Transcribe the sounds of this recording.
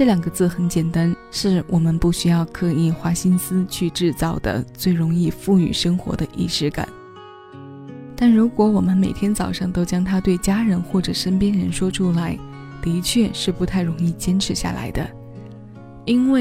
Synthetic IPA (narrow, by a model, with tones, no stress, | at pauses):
ʈ͡ʂɤ˥˩ljɑ˨˩ŋɡə˦t͡sɹ̩˥˩xə˧˥nt͡ɕjɛ˨˩nt̪a˥nʂɻ̩˥˩wʔɔ˨˩mə˧˦npu˥˩ɕy˥jɑ˥˧ʊkʰɤ˥˧i˥˩xwa˧˥ɕi˥nsɹ̩˥t͡ɕʰy˥˧ʈ͡ʂɻ̩˥˧t͡sɑ˥˩ʊd̪ə̰˩t͡swe˥˩ɪɻʊ˧˥ŋi˥˧fu˥˩ny̰˨˩ʂɤ˥ŋxwɔ̰˧˥d̪ə˧ʔḭ˥˩ʂɻ̩˧˥ka̰˨˩˦n | t̪a˥˩nɻu˧˥kwɔ˧˥wɔ˨˩mə˦nme˨˩ɪt̪ʰjɛ˥nt͡sɑ˨˩ʊʂɑ˥˩ŋt̪o˥ʊt͡ɕjɑ˥ŋt̪ʰa˥t̪we˥˩ɪt͡ɕja˥ɻə˧˥nxwɔ˥˩ʈ͡ʂɤ˨˩ʂə˥npjɛ˥nɻə˧˥nʂwɔ˥ʈ͡ʂʰu˥la˧˥ɪ | t̪i˧˥t͡ɕʰɥɛ˥˧ʂɻ̩˥˩pu˧˥t̪ʰa˥˩ɪɻʊ˧˥ŋi˥˩t͡ɕjɛ˥nʈ͡ʂʰɻ̩˧˥ɕja̰˥˩la̰˧˥ɪd̪ə̰˧ | i˥nwe˥˩ɪ